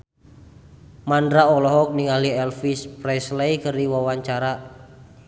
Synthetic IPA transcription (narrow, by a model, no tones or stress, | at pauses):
mandɾaɔlɔɦɔk̚niŋaliɛlfispɾɛslejkərdiwawaɲt͡ʃaɾa